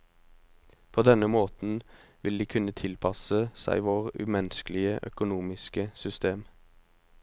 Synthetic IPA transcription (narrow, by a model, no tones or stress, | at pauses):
pʰoːd̪ɛnəmoːt̪n̩ʋɪld̪iːkʰʉnət̪ʰɪlpʰɑsəsæ̰ɪʋoːʁʉ̰ːmɛnsklɪəʔœ̰kʊnuːmɪskəsʏst̪eːm